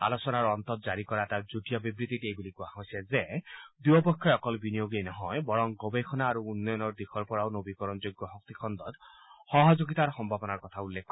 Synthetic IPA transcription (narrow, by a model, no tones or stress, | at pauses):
a̰losɔnaɹɔnt̪ɔt̪̚d͡ʒaɹikɔɹaɛtaɹd͡ʒuʈijɔbibɹit̪itejbulikuaɦɔjsɛzed̪uɔpɔkʰːɔɔkɔlbinijoɡejnɔɦɔjbɔɹɔŋɡɔbekʰɔnaːɾuunːɔjɔnɔɹd̪ikʰɔɹpɔɹawnobikɔɹɔnd͡ʒoɡɔɦɔk̚t̪ikʰɔnd̪ɔt̪ | hɔɦɔd͡ʒoɡit̪aɹxɔmbʱabɔnaɹkɔt̪ʰaulːekʰːɔ